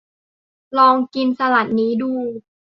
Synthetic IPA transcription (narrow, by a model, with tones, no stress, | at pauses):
lɔː˧ŋki˧nsa˧la˨˩t̪̚niː˦˥duː˧˩